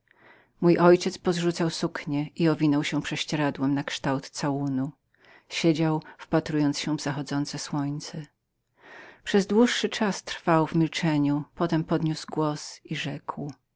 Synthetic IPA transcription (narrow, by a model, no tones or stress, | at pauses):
mujʔɔjt͡ɕɛt̪spɔzʐut̪sawsukɲɛʔiɔvʲinɔwɕɛ̃pʂɛɕt͡ɕɛɾad̪wɛmnakʂt̪awt̪sawunu | ɕed͡ʑawfpat̪ɾujɔnt̪sɕɛ̃vzaxɔd̪zɔnt̪sɛswɔɲt̪sɛ | pʂɛzd̪wuʂːɘt͡ʂast̪ɾfawvmʲilt͡ʂɛɲupɔt̪ɛmpɔd̪ɲusɡwɔsiʐɛkw